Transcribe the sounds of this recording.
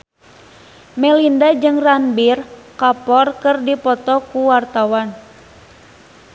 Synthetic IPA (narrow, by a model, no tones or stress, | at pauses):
mɛlindad͡ʒɨŋranbirkapɔrkɨrdipɔt̪ɔkuwart̪awan